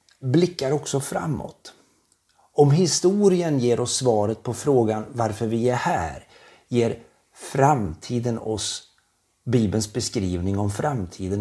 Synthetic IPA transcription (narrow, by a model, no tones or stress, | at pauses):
blɪkːaɾɔksɔfɾa̰mːɔ̰t̪ | ɔmɦɪst̪uːɾɪənjeːɾɔsːvɑːɾət̪̚pʰɔfɾoːɡanvaɾfœɾvɪæɾhæ̰ːɾ | jeːɾ | fɾamt̪ʰiːd̪ənɔs | biːbənsbɛskɾiːvnɪŋɔmfɾamt̪ʰiːd̪ən